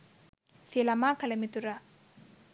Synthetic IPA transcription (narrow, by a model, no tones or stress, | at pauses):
silɐmaːkɐlɐmit̪uɾa